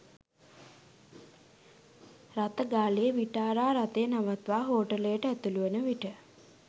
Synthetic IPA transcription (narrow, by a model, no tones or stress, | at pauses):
rat̪əɡaːlejəʋiʈaːɾaːɾat̪ejənaʋat̪ʋaːɦoːʈəlejəʈəæt̪uluənəʋiʈə